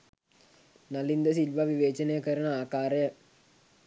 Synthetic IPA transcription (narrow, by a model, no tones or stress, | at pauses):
nɐlind̪əs̬ilʋaʋiʋeːt͡ʃənejəkəɾənəaːkaːɾəjə